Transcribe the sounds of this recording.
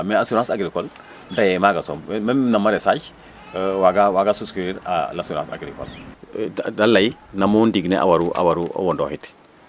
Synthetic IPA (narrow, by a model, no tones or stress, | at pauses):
measuɾãsaɡɾikɔl | dajɛmaɡasɔmmenamaɾesaɟ | waɡawaɡasuskɾiɾa̰lasãsa̰ɡɾikɔ̰l | dalːainamondiɡneʔa̰waɾuʔa̰waɾuʔo̰wɔndɔ̰hit